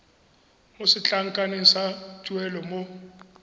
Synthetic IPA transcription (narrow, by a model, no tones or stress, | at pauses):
mosɪt͡ɬʼaŋ̩kʼaneŋ̩sat͡ʃʼuɛlɔmo